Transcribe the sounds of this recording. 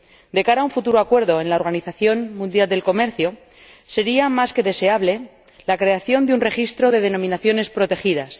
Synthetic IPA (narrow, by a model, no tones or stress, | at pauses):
d̪e̞kaɾauɱfut̪uɾoakwe̞ɾðo̞e̞nlao̞ɾɣaniθaθjo̞nmũnd̪jald̪e̞lko̞me̞ɾθjo | se̞ɾiamaske̞ðe̞se̞aβle̞ | lakɾe̞aθjo̞nd̪eunre̞xist̪ɾo̞ðe̞ðe̞nõ̞mĩnaθjo̞ne̞spɾo̞t̪e̞xiðas